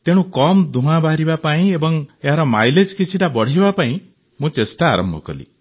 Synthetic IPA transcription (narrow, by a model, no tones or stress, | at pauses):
t̪eɽ̃ũkɔmd̪ũɦãbʱaɾibapaĩebɔŋeɦaɾɔmajled͡ʒkit͡ʃʰiʈabɔɽ̤ibapaĩ | mũt͡ʃesʈa̰ːɾɔ̰mbʱɔkɔ̰lḭ